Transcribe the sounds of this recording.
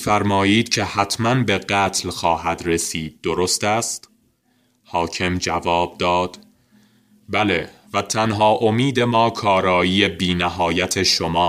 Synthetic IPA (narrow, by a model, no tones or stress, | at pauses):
fæɾmɒːjiːd̪̥cʰe̞hæt̪ʰmænbe̞ɢæːt̪ʰlxɒːhæd̪resiːd̪̚ːo̞ɾost̪æːst̪ | hɒːcʰe̞md͡ʒævɒːb̚d̪ɒːd̪̥ | bælevæt̪ʰænɦɒːʔo̞miːd̪e̞mɒːkʰɒːɾɒːjiːje̞biːnæɦɒːjæt̪ʰe̞ʃomɒː